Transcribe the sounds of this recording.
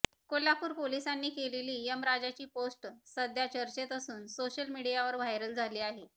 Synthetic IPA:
kolapuːɾpolisanːiːkeleliːjəmɾad͡ʑat͡ɕiːposʈsəd̪ʱjat͡ɕəɾt͡ɕet̪əsuːnsoɕəlmiɽijaʋəɾʋʱaɦjɾəld͡zʱaliːaɦe

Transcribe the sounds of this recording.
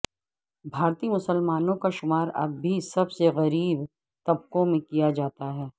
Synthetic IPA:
bʱaːɾt̪imʊsəlmaːnõkaʃʊmaːɾɐ̰bːʱisɐbseɣɐɾiːb | t̪ɐb̚kõmẽkijad͡ʒaːt̪aɦɛː

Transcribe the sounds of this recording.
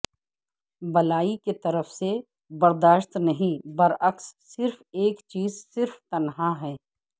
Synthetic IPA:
bɐlaːiket̪ɐɾəfse | bɐɾd̪aːʃt̪nɐɦĩbɐɾɐksːɪɾfeːkt͡ʃiːzsɪɾft̪ɐnɦaɦɛː

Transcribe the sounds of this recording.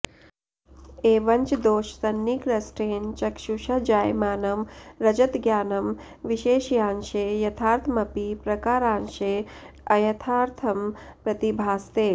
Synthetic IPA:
eːʋɐɲt͡ʃd̪oːʃsɐnːikɾɐsʈeːnt͡ʃɐkʃuʃɐd͡ʒaːjmaːnɐmɾɐd͡ʒət̪ɡjaːnɐm | ʋiʃeːʃjãːnʃejɐt̪ʰaːɾt̪ʰmɐpipɾɐkaːɾaːnʃe | ɐjɐt̪ʰaːɾt̪ʰɐmpɾɐt̪ibʱaːst̪eː

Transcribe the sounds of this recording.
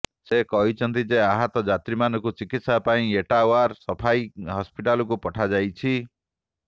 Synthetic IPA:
sekɔɦit͡ʃʰɔnt̪id͡ʒeaɦat̪ɔd͡ʒat̪ɾimanɔ̃kut͡ʃikit̪sapaĩeʈawaɾsɔpʰajɦɔspiʈalɔkupɔʈʰad͡ʒajt͡ʃʰi

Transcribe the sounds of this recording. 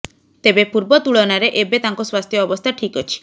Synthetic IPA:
t̪ebepuɾbɔt̪uɭɔnaɾeʔebet̪aŋkɔswast̪ʰjɔːbɔst̪ʰaʈʰikɔt͡ʃʰi̥

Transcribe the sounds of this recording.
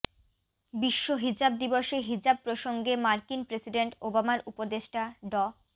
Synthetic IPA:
biʃːoɦid͡ʑab̚d̪iboʃeɦid͡ʑab̚pɾoʃoŋɡemaɾkinpɾesiɖeɳʈobamaɾupod̪eʃʈaɖɔ

